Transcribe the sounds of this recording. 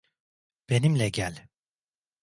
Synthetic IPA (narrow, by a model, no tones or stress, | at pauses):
b̥e̞nimlʲɛɟælʲ